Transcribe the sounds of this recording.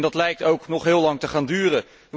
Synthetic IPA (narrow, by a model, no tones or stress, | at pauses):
ndɑtlɛjk̚towknɔχɦɪːlɑŋtəχaːndyːrə | ə